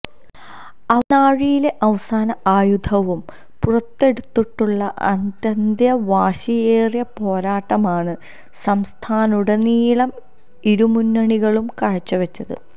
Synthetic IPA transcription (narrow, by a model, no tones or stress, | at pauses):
ɐnaːɻijile̞ʔɐʋɐsaːnɐaːjud̪ʱɐʋum | purɐt̪ːe̞ɽut̪ːiʈːuɭːɐʔɐ̰nd̪jɐnd̪jɐʋaːɕijeːrjɐpo̞ːɾaːʈːɐmaːɳɨ | sɐmst̪ʰaːnuɽeniːɭɐm | iɾumunːɐɳiɣɐɭumkɐɻɐt͡ɕːɐʋɐt͡ɕːɐðɨ̰